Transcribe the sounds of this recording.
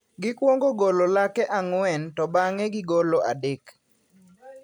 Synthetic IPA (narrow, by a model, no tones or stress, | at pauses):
ɡɪkwoŋɡoɡololakɛʔaŋwɛntɔbaŋɛɡɪɡoloʔa̰dek